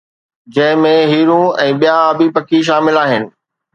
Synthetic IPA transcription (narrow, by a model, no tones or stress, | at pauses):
d͡ʑɐ̃ɦɪ̃mẽɦiːɾũɛ̃ːɓijaɐbipɐkʰiʃ̬aːmɪlaːɦɪnɪ̆